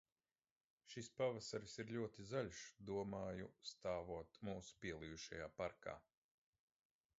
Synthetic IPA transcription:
ʃispavasaɾisiɾʎʲuɔt̪izaʎʲʃd̪uɔmaːjust̪aːvuɔt̪muːsu̥pʲiɛlˠijuʃa̰jaːpaɾka̰ː

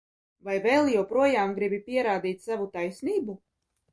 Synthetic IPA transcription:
vajvɛlˠjɛwpɾuɔjaːmɡɾibʲipʲiɛɾaːd̪iːt̪ʲsavut̪ajsniːbu

